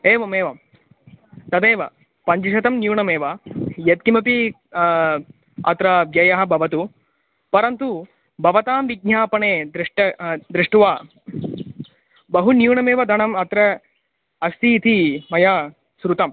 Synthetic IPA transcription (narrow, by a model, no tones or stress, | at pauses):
eːʋɐmeːʋɐ | t̪ɐd̪eːʋɐ | pɐɲd͡ʒiʃɐt̪ɐmnjuːɳɐmeːʋɐjɐt̪̚kimɐpi | ɐ̰t̪ɾɐbjɐjɐɦɐ̆bʱɐʋɐt̪u | pɐɾɐnt̪u | bʱɐʋɐt̪aːmʋiɡ̚ɲaːpɐɳeːd̪ɾiʂʈɐd̪ɾiʂʈuʋaː | bɐɦunjuːɳɐmeːʋɐd̪ʱɐɳɐmɐt̪ɾɐ | ɐst̪iːt̪ʰimɐja | sɾut̪ɐm